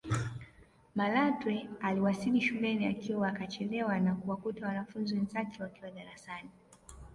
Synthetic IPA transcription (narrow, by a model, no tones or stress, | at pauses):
malatwɛaliwasiliʃulɛniakiwaakat͡ʃɛlɛwanakuwakutawanafunziwɛnzakɛwakiwaɗaɾasani